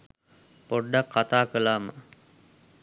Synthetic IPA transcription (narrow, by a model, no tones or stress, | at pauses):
poɖːakːat̪aːkəlaːmə